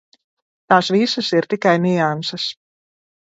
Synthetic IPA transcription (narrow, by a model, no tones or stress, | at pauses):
t̪aːsvisɐsiɾt̪ikajniansɐs